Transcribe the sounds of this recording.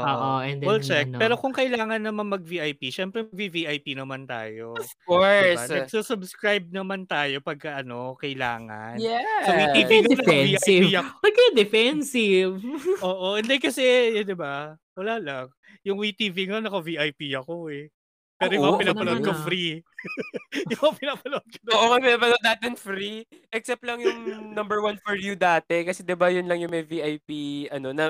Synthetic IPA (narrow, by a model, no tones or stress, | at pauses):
ʔoːʔoʔɛnd̪wɛlt͡ʃɛk̚pɛːɾo̞kʊŋkɐɪlaːŋɐnːɐmɐnmɐɡ̚viʔɐjpiʃɛmpɾɛmɐɡ̚viviʔɐjpinɐmant̪a̰ːjo̞ | koɹbaɐsʊsʊbskɹajb̚nɐmant̪aːjo̞pɐɡ̚kɐʔɐno̞kɐjla̰ːŋɐ̰njɛsowit̪iviŋɐnɐɛviʔajiɐopɐɡ̚kɐjɐd̪ɛfɛnsɪvʔoːʔoʔɛnd̪ɛkɐsɛjd̪ɪba | wɐlaːlɐŋ | jʊŋwit̪iviŋnɐkɐviʔɐjpiɐkoɛ | pɛːɾɾojʊmpɪnaːɐloʔɐnkɐfɾi | jʊmɐpɪnaːpɐloʔɐn̚kɐoːʔoŋɐpɪnaːpɐnoʔd̪aːt̪ɪnfɾiʔɛksɛp̚t̪lɐŋjʊŋnɐmbɛɹwɐnfɔɹjʊd̪aːt̪ɛkɐsɛd̪ɪbajʊnlɐŋjʊŋmɛjviʔɐjpiʔɐno̞nɐ